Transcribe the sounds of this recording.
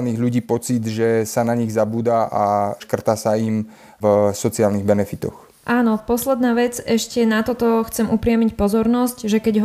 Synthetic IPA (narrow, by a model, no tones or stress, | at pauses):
niːɣʎuɟiːpɔt͡sid̪ʒɛsanaɲiɣzabuːd̪aʔaʃkr̩t̪aːsaim | vsɔt͡siaːlniɣbɛnɛfit̪ɔ̰x | ʔaːnɔpɔslɛd̪naːʋɛd͡zɛʃcɛnat̪ɔt̪ɔxt͡sɛmupɾɪamicpɔzɔɾnɔscʒɛkɛɟɦ